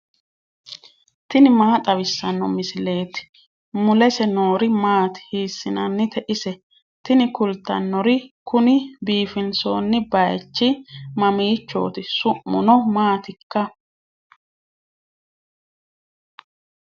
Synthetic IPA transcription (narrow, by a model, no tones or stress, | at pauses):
t̪ɪnɪmaːt̪ʼɐβɪsːɐnːɔmɪsɪle̞ːt̪ɪ̥ | mʊlɛsɛno̞ːɾɪmaːt̪ɪ̥hiːsːɪnɐ̰nːɪt̪ɛʔɪsɛ | t̪ɪnɪkʊlt̪ːɐ̰nːɔɾɪkʊnɪbiːfɪnso̞̰ːnːɪbɐjt͡ʃːɪmɐmiːt͡ʃːo̞̰ːt̪ɪsʊʔːʊnɔmaːt̪ɪkːɐ